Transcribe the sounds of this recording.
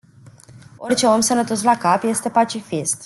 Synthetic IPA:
o̞rt͡ʃe̞o̞msənət̪o̞s̬lakapje̞st̪e̞pat͡ʃifist̪

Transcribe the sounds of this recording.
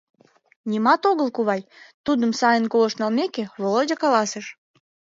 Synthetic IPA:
nʲimɑt̪oɣəlkuβɑjt̪ud̪əmsɑjənkolə̆ʃnɑlmekeβolodʲɑkɑlɑseʃ

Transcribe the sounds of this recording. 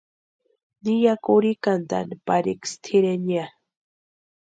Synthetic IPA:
nijakuɾikand̪a̰npaɾikst̪ʰiɾenia

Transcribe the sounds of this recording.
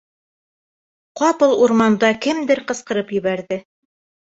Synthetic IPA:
qɑpɤlˠuɾmɑnd̪ɑkɘmd̪ɘɾqɤ̆sqɤ̆ɾɤpjɵ̆βæɾðɘ

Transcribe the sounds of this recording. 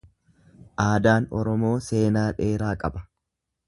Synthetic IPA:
ʔaːd̪aːnɔɾɔmo̞ːse̞ːnaːᶑe̞ːɾaːkʼɐbɐ̥

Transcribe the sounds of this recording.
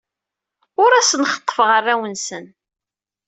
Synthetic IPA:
ʊɾæsənχə̥t̪ˤːə̥fʁərːæwənsən

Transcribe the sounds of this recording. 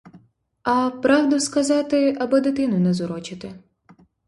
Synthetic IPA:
ɐpɾɑwd̪ʊskɐzɑt̪ɪɐbɔd̪ɪt̪ɪnʊnɛzʊɾɔt͡ʃɪt̪ɪ

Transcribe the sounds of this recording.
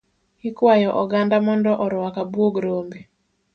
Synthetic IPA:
hikwajɔʔɔɡandamɔndɔʔɔɾwakabwoɡɾombe

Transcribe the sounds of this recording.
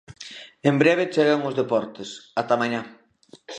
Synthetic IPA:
embɾɛβ̞et͡ʃeɣaŋʊzðepɔɾt̪esat̪amaɲa

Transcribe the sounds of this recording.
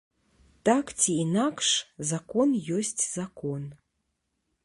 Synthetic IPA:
t̪akt͡sʲiːnakʂzakɔnjɔsʲt͡sʲz̥akɔn

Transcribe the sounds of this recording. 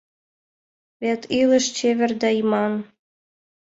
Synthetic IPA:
βet̪ʰiləʃt͡ɕeβʲĕrd̪æjimɑn

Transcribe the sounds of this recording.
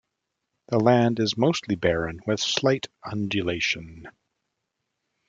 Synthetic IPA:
ðəlæ̃ndɨzmoʊstˡlibɛɹɨ̃nwɪð̥slaɪɾʌ̃nd͡ʒɨleɪʃɨ̃n

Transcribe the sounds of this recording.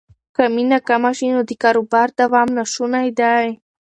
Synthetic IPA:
kaminakamaʃinod̪ɪkaɾobaɾt̪awamnaʃʊnajd̪aj

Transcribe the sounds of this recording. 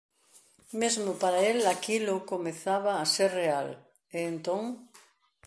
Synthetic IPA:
mezmopaɾaelakilokomeθaβaːseɾreal | eːnt̪õŋ

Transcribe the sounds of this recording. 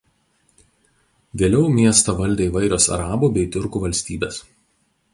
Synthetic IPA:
ʋʲeːlʲɛʊmʲiɛst̪ɐʋɐlʲd̪ʲeːiʋɐɪɾʲoːsɐ̰ɾɑːbuːbʲɛɪt̪ʲʊɾkuːʋɐlʲsʲt̪ʲiːbʲeːs

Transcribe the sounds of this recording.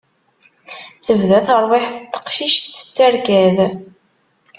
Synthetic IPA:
θəvðæθəɾˤwɪħθət̪ːə̥qʃiʃθə̥t͡sːæɾkæð

